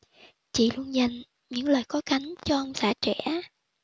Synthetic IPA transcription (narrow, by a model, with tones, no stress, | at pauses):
t͡ɕḭ˧˨lu˧ənɲə˨˩ŋ | ɲɨ̰˧˥ŋləː˨˩jxɔ˨˦ka˨˦ŋ̟t͡ɕɔ˧ʔə˧wŋ͡msaː˧˩t͡ɕɛ˧˥